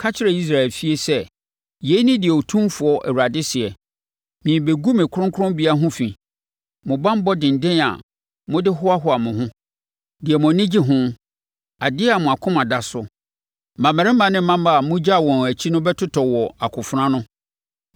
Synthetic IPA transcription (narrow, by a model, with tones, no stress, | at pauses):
kʰa˦t͡ɕʰɪ˦ɾɛ˦˨i˦s̬ɾa˨ɛ˨lfi˦e˦sɛ˦ | je˨˦i˦nɪ̃˦dɪ˨ɛ˨o˨tʰũ˦mfʊ˨˦ɔ˦ʔɛ̰˨wu˨ɾa˨dɪ˦sɪ˨ɛ˨ | mĩ˨be˨ɡu˦mɪ̃˨kʰʊ˦ɾʊ̃˦ŋ˦kʰʊ˦ɾʊ̃˦mbi˦a˦ɦʊ̃˦fĩ˨ | mʊ̃˨bã˦m˦bɔ˦dɪ̃˨n̩˨dɪ̃˦na̰˨ | mʊ̃˦dɪ˦ɦʊ˦a˦ɦʊ˦a˨mʊ̃˨ɦʊ̃˦ | dɪ˨ɛ˨mʊ̃˨nɪ̃˦d͡ʑi˦ɦʊ̃˦ | a˨dɪ˦a˨mʊ̃˨a˨kʰʊ̃˦ma˨da˨sʊ˦ | mã˨mɛ˨ɾɪ̃˦mã˨nɪ̃˦ã˦ma˦a˨mʊ̃˦d͡ʑa˦˨wɔ̃˨n˨æ˨t͡ɕʰi˦nʊ̃˦bɛ˦tʰʊ˦tʰɔ˨wɔ˨a˨kʰʊ˨fʊ˨˦ɾã˦nʊ̃˦